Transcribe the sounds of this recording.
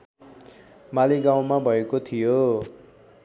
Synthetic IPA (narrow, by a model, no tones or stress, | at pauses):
maliɡaw̃mabʱʌekot̪ʰijo